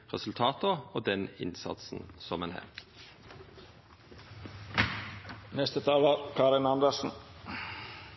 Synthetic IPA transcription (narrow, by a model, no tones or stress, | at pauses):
ʁɛsʉlt̪ʰɑːt̪əoːd̪ɛnɪ̰nsɑ̰t̪sn̩sɔmɛnhæ̰ːʁ | nɛst̪ət̪ʰɑːləɾkʰɑːɾɪnɑnd̪əsn̩